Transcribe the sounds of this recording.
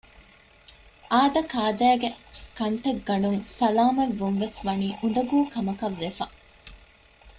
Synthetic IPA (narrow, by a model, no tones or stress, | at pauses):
ʔaːd̪ɐkaːd̪æːɡekɐnt̪ɐɡːɐɳuŋsɐlaːmɐʋːuŋʋesʋɐniːʔund̪ɐɡuːkɐmɐkɐʋːefɐ